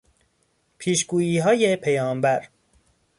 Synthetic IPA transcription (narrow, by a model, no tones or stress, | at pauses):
pʰiːʃɡuːjiːɦɒːjepʰejɒːmbæɾ